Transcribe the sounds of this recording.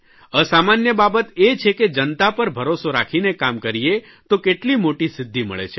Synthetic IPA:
əsamanjəbabət̪et͡ʃʰeked͡ʒənt̪apəɾbʱəɾosoɾakʰinekamkəɾie | t̪okeʈlimoʈisɪd̪ʱːimə̰ɭḛt͡ʃʰe

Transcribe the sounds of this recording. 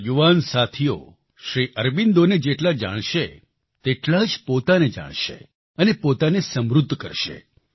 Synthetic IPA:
juʋansat̪ʰijo̰ | ʃɾiʔəɾbind̪oned͡ʒeʈlad͡ʒa̰ɽ̃ʃe | t̪eʈlad͡ʒpot̪aned͡ʒa̰ɽ̃ʃḛ | ənepot̪anesəmɾud̪ʱːkə̰ɾʃḛ

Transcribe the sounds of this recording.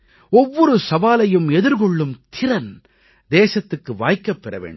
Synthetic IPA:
ɔʋːɔɾɯsɐʋaːlɐjɯmɛðɯɾkɔɭːɯmt̪ʰɪɾɐn | d̪eːsɐt̪ːɯkːɯʋa̰ːjkːɐpːɛɾɐʋḛːɳɖ

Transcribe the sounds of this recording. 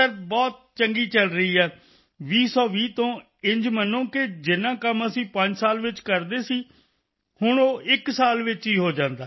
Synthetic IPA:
əɾbɔːt̪̚t͡ʃəŋɡiːt͡ʃəlɾəiːɦɛː | ʋiːsɔːʋiːt̪õː | ɪ̃ɲd͡ʒmənːõːked͡ʒɪnãːkəməsĩːpə̃ɲd͡ʒsaːlʋɪt͡ʃkəɾd̪eːsiː | hʊɳoːʔɪksaːlʋɪt͡ʃɦiːɦoːd͡ʒãːnd̪aː

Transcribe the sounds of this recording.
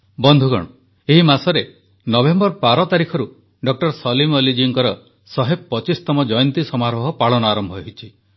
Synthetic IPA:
bɔnd̪ʱuɡɔ̰ɽ̃ɔ | eɦimasɔɾe | nɔbembɔɾpaɾɔt̪aɾikʰɔɾu | ɖɔk̚ʈɔɾsɔlimɔlid͡ʒiŋkɔɾɔ | sɔɦeb̚pːɔt͡ʃist̪ɔmɔd͡ʒɔjɔnt̪isɔmaɾɔɦɔpaɭɔnɔaːɾɔmbʱɔɦit͡ʃʰi

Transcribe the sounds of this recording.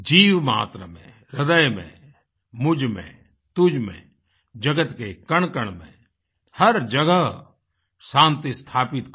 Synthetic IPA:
d͡ʒiːʋma̰ːt̪ɾə̰mḛ̃ | ɾəd̪əjmḛ̃ | mʊd͡ʒmḛ̃ | t̪ʊd͡ʒmḛ̃ | d͡ʒəɡət̪kekɐɳ̃kəɳ̃mḛ̃ | hɐɾd͡ʒəɡəɦ | sãːnt̪ist̪ʰaːpɪt̪

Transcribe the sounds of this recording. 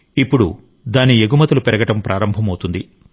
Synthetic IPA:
ipːuɽu | d̪aːnieɡumɐt̪ulupɛɾɐɡɐʈɐmpɾʔaːɾɐmbʱɐmɐwt̪und̪i

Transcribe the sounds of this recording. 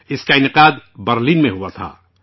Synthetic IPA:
ɪskaɪnɪqaːd̪bɐɾliːnmẽɦuat̪ʰa̰ː

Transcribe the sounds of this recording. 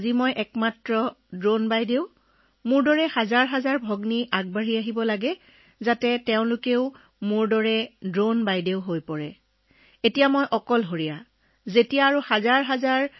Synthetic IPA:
zimojʔɛkmatɹɔdɹonbajdeʊ | mʊɹdɔɹɛhazaɹɦazaɹbʱɔɡniʔaɡ̚baɹiaɦibɔlaɡɛ | zatɛtɛʊ̃lʊkeʊ | mʊɹdɔɹɛdɹonbajdeʊɦojpɔɹɛ | etijamojʔɔkɔlɦoɹija | zetijaːɹuhazaɹɦazaɹ

